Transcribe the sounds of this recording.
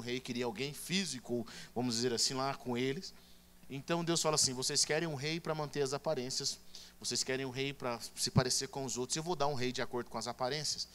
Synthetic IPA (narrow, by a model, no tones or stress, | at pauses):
ɦejkɪɾiɐawɡẽj̃fizikʊovɐ̃mʊzd͡ʒɪzeɾasĩlakõelɪs | ẽnt̪ɐ̃w̃d̪ewsfalɐasĩvosejskɛɾẽj̃ũɦejpɾɐmɐ̃nt̪eɾɐzapaɾẽsiɐsvosejskɛɾẽj̃ũɦejpɾɐsɪpaɾeseɾkõʊzowt̪ɾʊzewvowd̪aɾũɦejd͡ʒɪakoɾd̪ʊkõɐzapaɾẽsiɐs